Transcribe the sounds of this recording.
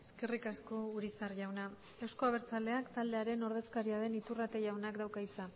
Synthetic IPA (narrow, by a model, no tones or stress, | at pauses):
eske̞rikasko̞uɾit͡sarʝawna | ewsko̞aβ̞e̞ɾt͡sald̪e̞akt̪ald̪e̞aɾe̞no̞ɾð̞eskaɾiað̞e̞nit̪urat̪e̞ʝawnakd̪awkait͡sa